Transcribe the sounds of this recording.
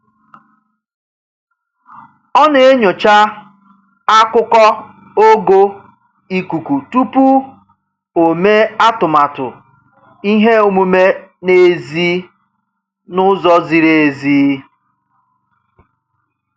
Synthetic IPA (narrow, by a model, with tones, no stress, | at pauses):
ɔ˦ne˨e˦ɲo˨t͡ʃa˦ | a˦kʊ˦kɔ˦ | o˦ɡo˦ | i˨ku˨ku˨tu˦pu˦ | o˨me˦a˦tʊ˨ma˨tʊ̰˨ | i˦ɦe˦o˦mu˦me˦ne˨zi˦ | nʊ˦zɔ˦zi˨ɾe˨ziː˦